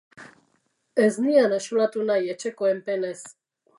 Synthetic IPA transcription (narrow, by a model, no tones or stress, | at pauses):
ɛznijanaʃulat̪unajɛt͡ʃɛkoempɛnɛs